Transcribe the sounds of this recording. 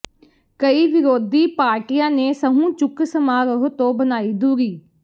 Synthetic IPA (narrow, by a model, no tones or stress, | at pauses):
kəiːʋɪɾoːd̪iːpaːɾʈɪjãːneːsəɦũːt͡ʃʊksəmaːɾəɦt̪õːbənaːiːd̪uːɡiː